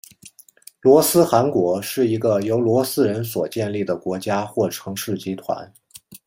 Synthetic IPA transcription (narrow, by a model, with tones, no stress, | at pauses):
lwɔ˧˥sɹ̩˥xa˧˥nkwɔ˧˥ʂɻ̩˥˩i˧˥ɡə˧jo˧˥ʊlwɔ˧˥sɹ̩˥ɻə˧˥nswɔ̰˨˩t͡ɕjɛ˥˧nli˥˩d̪ə˩kwɔ˧˥t͡ɕja˥xwɔ˥˩ʈ͡ʂʰɤ˧˥ŋʂɻ̩˥˩t͡ɕi˥t̪ʰwa̰˧˥n